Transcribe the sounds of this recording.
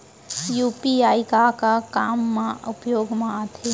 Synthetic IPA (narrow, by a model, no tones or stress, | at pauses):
juːpiaːikakakaːmːãʊpjoːɡmãt̪ʰe